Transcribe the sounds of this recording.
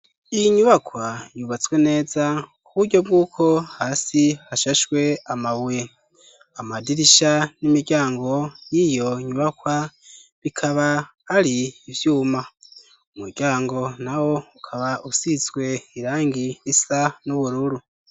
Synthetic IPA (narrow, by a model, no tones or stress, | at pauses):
ijiɲuβakwajuβat͡swe̞ne̞ːzakuβuɾɟo̞b̚ɡuːkʰo̞haːsihaʃaʃwe̞amaβwe | amadiɾiʃanimiɟaːŋɡo̞jijo̞ɲuβakwaβikʰaβa | aɾiːvjuːma | umuɾɟ̥aːŋɡo̞nawo̞ukʰaβaʔusit͡sɡwe̞iɾaːŋɡiisanuβuɾuɾu